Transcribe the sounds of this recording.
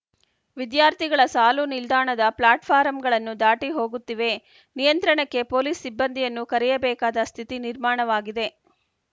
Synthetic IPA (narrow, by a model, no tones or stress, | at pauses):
ʋid̪jaːɾt̪ʰiɡɐɭɐsaːlunild̪aːɳɐd̪ɐplaːʈpʰaːɾɐmɡɐɭɐnːud̪aːʈiɦo̞ːɡut̪ːiʋe̞ | nijɐnt̪ɾɐɳɐkːe̞po̞ːliːsːibːɐnd̪ʱijɐnːukɐɾɛjɐbɛːkaːd̪ɐst̪ʰit̪iniɾmaːɳɐʋaːɡid̪e̞